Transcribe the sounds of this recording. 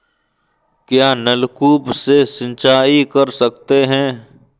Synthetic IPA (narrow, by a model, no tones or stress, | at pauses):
kjaːnɐlkuːpsesɪ̃nt͡ʃaːikɐɾsɐk̚t̪eɦɛ̃ː